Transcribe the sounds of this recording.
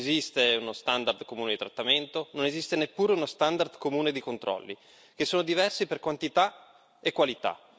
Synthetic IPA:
zist̪eunost̪and̪ard̪komuːned̪it̪ɾat̪ːament̪ononezist̪enepːuːɾeunost̪and̪ard̪komuːned̪ikont̪ɾɔ̰lːi | k̟esːoːnod̪ivɛrsiperkwant̪it̪a | ekːwalit̪a̰

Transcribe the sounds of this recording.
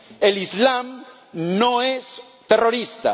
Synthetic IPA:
elizlam | noes | t̪eroɾist̪a̰

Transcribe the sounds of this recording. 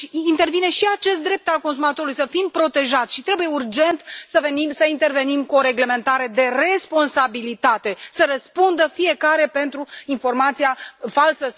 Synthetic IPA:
ʃiint̪e̞rvine̞ʃiat͡ʃe̞s̬t̪d̪ɾe̞p̚t̪alko̞ns̬umat̪o̞ɾulujsəfimpɾo̞t̪e̞ʒat̪sʲʃit̪ɾe̞buje̞urd͡ʒe̞nt̪səve̞nimsəint̪e̞rve̞nimkuoɾe̞ɡle̞me̞nt̪aɾe̞d̪e̞re̞spo̞nsabilit̪at̪e̞səɾəspund̪əfije̞kaɾe̞pe̞nt̪ɾuinfo̞rmat̪siafalsə

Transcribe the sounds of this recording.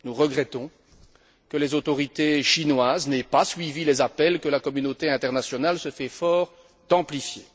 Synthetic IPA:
nuʁəɡʁɛt̪ɔ̃ | kəlɛzot̪ɔʁit̪eʃinwaːznɛpasɥivilezapɛlkəlakɔmynot̪eɛ̃t̪ɛʁnasjɔnalsəfɛfɔːʁ | t̪ɑ̃plifje

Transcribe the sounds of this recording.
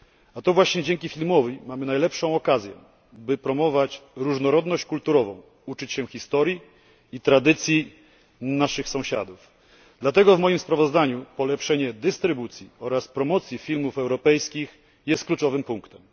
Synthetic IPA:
at̪ɔvwaɕɲɛd͡ʑɛŋkʲifʲilmɔvimamɘnajlɛpʂɔ̃w̃ɔkazʲjɛ̰ | bɘpɾɔmɔvat͡ɕɾuʐnɔɾɔd̪nɔɕt͡ɕkult̪uɾɔvɔ̰̃w̃ | ut͡ʂɘt͡ɕɕɛxʲist̪ɔɾjiː | t̪ɾad̪ɘt̪sʲji | naʂɘxsɔ̃w̃ɕa̰d̪uf | d̪̥lat̪ɛɡɔvmɔjimspɾavɔzd̪aɲupɔlɛpʂɛɲɛd̪ɘst̪ɾɘbut̪sʲjiɔɾaspɾɔmɔt̪sʲjifʲilmufɛwɾɔpɛjskʲix | jɛst̪klut͡ʂɔvɘmpuŋkt̪ɛm

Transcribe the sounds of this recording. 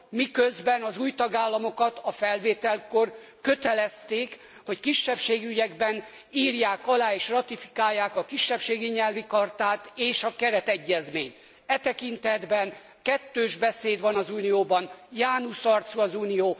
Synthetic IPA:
mikøzbɛnɒzuːjt̪ɒɡaːlːɒmo̞kɒt̪ɒfɛlveːt̪ɛlko̞r | kø̞t̪ɛlɛst̪eːk | ho̞ckiʃːɛpʃeːɡyɟɛɡbɛn | iːrjaːkɒlaːeːʃrɒt̪ifi̥kaːjːaːkɒkiʃːɛpʃeːɡiɲɛlvikɒrt̪aːt̪eːʃɒkɛɾɛt̪ɛɟːɛzmeːɲt̪ | ɛt̪ɛkint̪ɛd̪bɛn | kɛt̪ːøːʒbɛseːd̪ʋɒnɒzuːnijoːbɒnjaːnusɒrt̪suɒzuːnijoː

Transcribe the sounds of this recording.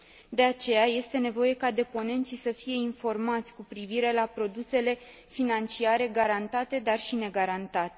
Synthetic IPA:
d̪e̞at͡ʃe̞jaje̞st̪e̞ne̞vo̞je̞kad̪e̞po̞ne̞nt̪sisəfije̞info̞rmat̪sʲkupɾiviɾe̞lapɾo̞d̪use̞le̞ | finant͡ʃiaɾe̞ɡaɾant̪at̪e̞d̪arʃine̞ɡaɾant̪at̪e̥

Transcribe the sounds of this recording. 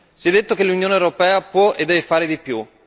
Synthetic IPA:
sijɛd̪ːet̪ːokelːunjoːnewɾopɛːapwɔʔed̪ːɛvefaːɾed̪ipju

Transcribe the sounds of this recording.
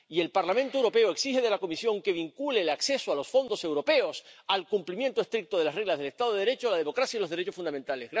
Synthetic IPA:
ie̞lpaɾlamẽnt̪owɾo̞pe̞oe̞ksixeð̞e̞lako̞misjõ̞ŋke̞βiŋkule̞lakse̞soalo̞sfo̞nd̪o̞se̞wɾo̞pe̞osalkumplimjent̪oest̪ɾik̚t̪oð̞elasre̞ɣlazðele̞st̪aðo̞ðeɾe̞t͡ʃolaðe̞mo̞kɾasjailo̞zðeɾe̞t͡ʃo̞sfunament̪alezɣ

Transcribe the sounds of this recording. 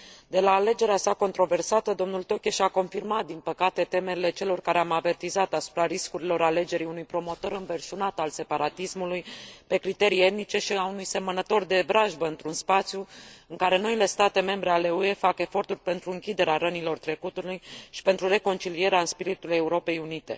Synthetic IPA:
d̪e̞laːle̞d͡ʒe̞ɾeasako̞nt̪ɾo̞ve̞rsat̪əd̪o̞mnult̪o̞kʲeʃako̞nfirmat̪̚d̪inpəkat̪e̞t̪e̞me̞ɾile̞t͡ʃe̞lo̞rkaɾeamave̞rt̪izat̪asu̥pɾaɾiskuɾilo̞ɾale̞d͡ʒe̞ɾiunujpɾo̞mo̞t̪o̞ɾɨɱverʃunat̪alse̞paɾat̪ismulujpe̞kɾit̪e̞ɾie̞t̪̚nit͡ʃe̞ʃiaunujse̞mənət̪o̞rd̪e̞bɾaʒbəɨnt̪ɾunspat̪sʲjuɨŋkaɾe̞no̞ile̞st̪at̪e̞me̞mbɾe̞ale̞ue̞fake̞fo̞rt̪urʲpe̞nt̪ɾuɨŋkʲid̪e̞ɾeaɾənilo̞rt̪ɾe̞kut̪ulujʃi̥pe̞nt̪ɾure̞ko̞nt͡ʃilie̞ɾeaɨnspiɾit̪ule̞uɾo̞pe̞junit̪e̞̰

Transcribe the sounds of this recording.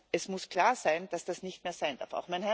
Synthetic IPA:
ʔɛsmʊskʰl̥aːɐzaɪnd̥asd̥asnɪçtmeːɐz̥aɪnd̥a̰ɐfa̰ʊxmaɪnɦɛ

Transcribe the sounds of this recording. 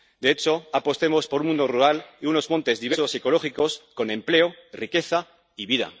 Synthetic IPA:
d̪e̞et͡ʃo̞apo̞st̪e̞mo̞spo̞ɾmũnd̪oruɾaliuno̞zmõ̞nt̪e̞zðiβe̞soseko̞lo̞χiko̞sko̞nẽ̞mple̞orʔike̞θa | iβiða̰

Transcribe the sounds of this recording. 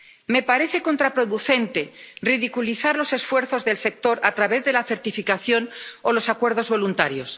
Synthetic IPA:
me̞paɾe̞θe̞ko̞nt̪ɾapɾoðuθe̞nt̪e̞riðikuliθaɾlo̞se̞sfwe̞ɾθo̞zðe̞lse̞k̚t̪o̞ɾat̪ɾaβ̞e̞zðe̞laθe̞ɾt̪ifikaθjo̞nolo̞sakwe̞ɾð̞o̞zβo̞lunt̪aɾjo̞s

